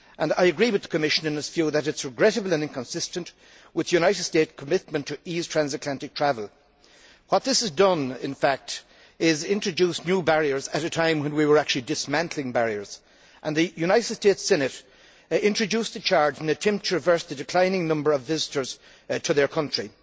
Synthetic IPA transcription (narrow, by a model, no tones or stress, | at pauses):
ʔə̃na̰ɪəɡɹiwɨðəkʰəmɪʃə̃nɨ̃nɨsv̥juðəɾɨtsɹɨɡɹɛɾəbəl̩ˠə̃nɪ̃nkʰə̃nsɪstə̃nʔ | wɨðəjʉnaɪɾd̥steɪtskʰəmɪt̚mə̃ntʰɨiz̥tʰɹ̥æ̃nzɨtlæ̃ntɨk̚tʰɹ̥ævəlˠ | wʌt̪̚ðɪsɨzdʌ̃nɪ̃nfæk̚t | ɪzɪ̃nt͡ʃɹ̥ɨd͡ʒusnjubæɹiə˞zəɾɨtʰãɪ̃mwə̃nwiwə˞æk̚t͡ʃʉl̩ˠidɪsmæ̃ntʰˡl̩ɪ̃ŋbæɹiə˞z̥ | ʔə̃nðɨjuñaɪɾɨd̥stetsɛnɨɾ | ɪ̃nt͡ʃɹ̥ɨd͡ʒʉsðɨt͡ʃʰaɹd͡ʒɪ̃nɨtʰɛ̃mp̚tʰəɹɪvɜ˞sðɨdɨkʰl̥ãɪ̃nɪ̃ŋnʌ̃mbə˞ʌvɪzɨɾə˞z̥ | tʰəðə˞kʰʌ̃nt͡ʃɹ̥i